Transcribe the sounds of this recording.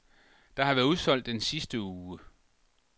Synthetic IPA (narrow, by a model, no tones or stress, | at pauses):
d̥ɑ̈hɑʋæɐuðˠsɒ̽l̰d̥ːensisd̥əuːə